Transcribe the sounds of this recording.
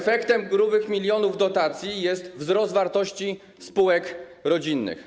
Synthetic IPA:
fɛkt̪ɛmɡɾuvɘxmʲilʲjɔnuvd̪ɔt̪at̪sʲjijɛst̪vzɾɔst̪vaɾt̪ɔɕt͡ɕi | spuwɛkɾɔd͡ʑinːɘ̰x

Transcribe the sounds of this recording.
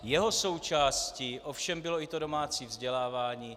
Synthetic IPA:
jɛɦo̞so̞wt͡ʃaːsciːʔofʃɛmbɪloɪt̪odo̞maːt͡siːvzɟɛlaːvaːɲiː

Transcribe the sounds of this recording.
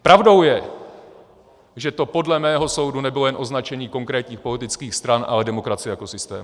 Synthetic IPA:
pɾavdo̞wjɛ | ʒɛt̪o̞po̞dlɛmɛːɦo̞so̞wdunɛbɪlo̞jɛnʔo̞znat͡ʃɛɲiːko̞ŋkɾɛːt̪ɲiːxpo̞lɪt̪ɪt͡skiːxst̪ɾanʔa̰lɛdɛmo̞kɾat͡sɪjɛjako̞sɪst̪ɛ̰ːm

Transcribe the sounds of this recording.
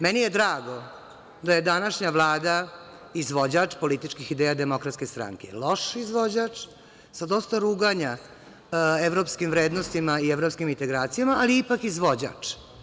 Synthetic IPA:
mɛnijed̪ɾaːɡo̞ | d̪aje̞d̪anaʃɲaʋlˠaːd̪a | izʋo̞d͡ʑat͡ʂpo̞lit̪it͡ʃkixid̪eːjad̪emokɾat̪ske̞st̪ɾa̰ŋkḛlˠo̞ʂizʋod͡ʑat͡ʂ | sad̪o̞st̪aɾuɡaɲa | eʋɾoːpskimvɾeːd̪nost̪imaieʋɾopskimint̪eɡɾaːt̪sijamaːliipakizʋod͡ʑa̰ːt͡ʂ

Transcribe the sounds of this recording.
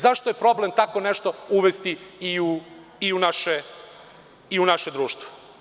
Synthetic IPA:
zaʃt̪ojepɾo̞ble̞mt̪ako̞neʃt̪o̞uʋest̪iiu | iunaʃe | iunaʃed̪ɾuːʃt̪ʋo̥

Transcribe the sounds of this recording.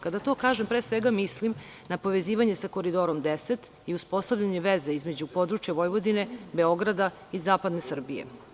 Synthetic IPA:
kad̪at̪o̞ːkaːʒempɾeːsʋeɡamislimnapo̞ʋe̞ziːʋaɲesako̞ɾid̪oɾo̞md̪eset̪ | iuspo̞st̪aʋʎaɲeʋezeizme̞d͡ʑupo̞d̪ɾut͡ʃjaʋo̞jʋo̞d̪ine̞be̞o̞ɡɾad̪a | izaːpad̪ne̞sr̩bije̞̰

